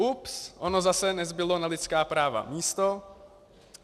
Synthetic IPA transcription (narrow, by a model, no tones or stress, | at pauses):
upsʔono̞zasɛnɛzbɪlo̞nalɪt͡skaːpɾaːva̰miːst̪o